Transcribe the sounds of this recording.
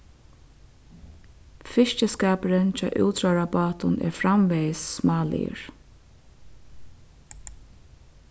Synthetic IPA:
fɪʃcəskaːpəɾənt͡ʃʰa̰ːʔṵːt̪ɾaɹabɑːt̪ʊnɛ̰ɹfɾamʋɛjsːmɑːlḭə̰ɹ

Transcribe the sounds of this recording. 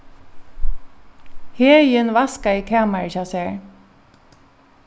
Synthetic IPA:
heːjɪnʋaskaikʰæːmaɹʃasɛːɹ

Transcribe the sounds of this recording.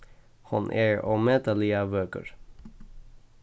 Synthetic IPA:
hɑ̰nʔeːɹoːmeːt̪əliɑʋøːkə̰ɹ

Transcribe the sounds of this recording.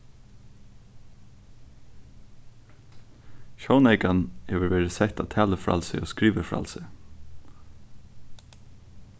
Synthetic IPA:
ʃoːʊnɛɪkanhɛːʋəɹʋeːɹɪsɛht̪a̰ːt̪ʰɛːləfɹɑ̰ːlsɛoːskɹiːʋəfɹɑ̰lsɛ

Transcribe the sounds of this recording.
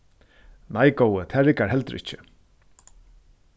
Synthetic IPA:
najkowət̪ʰæːɾɪkaɾhɛlt̪ɾʔɪht͡ʃɪ

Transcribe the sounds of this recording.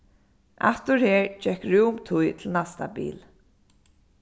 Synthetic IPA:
ʔa̰t̪ʊɹheːɹd͡ʒɛhkɹuːmt̪ʰujt̪ʰɪlnast̪a̰bḭːl

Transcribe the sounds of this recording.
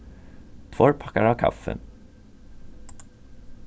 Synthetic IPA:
t̪ʰfɔɾpʰakːaɾavkʰa̰fːə̰

